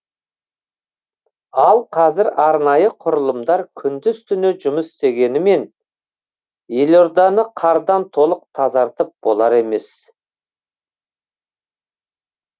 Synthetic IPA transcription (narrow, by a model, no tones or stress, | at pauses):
ɑlˠqʰɑzɪɾɑɾnɑjəqʰʊɾəlˠəmd̪ɑɾkʲʰʏnd̪ʏzt̪ʰʏneʒʊməst̪e̞ɡʲe̞nɪme̞n | e̞loɾd̪ɑnəqʰɑɾd̪ɑnt̪ʰo̞lˠəq̚t̪ʰɑzɑɾt̪əp̚b̥o̞lˠɑɾe̞me̞s